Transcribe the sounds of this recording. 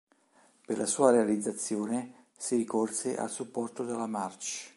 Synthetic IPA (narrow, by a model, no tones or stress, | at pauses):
perlʔasuːaɾealid̪zːat̪sːjoːne | siɾikorseʔa̰lsupːɔrt̪od̪elːamart͡ʃ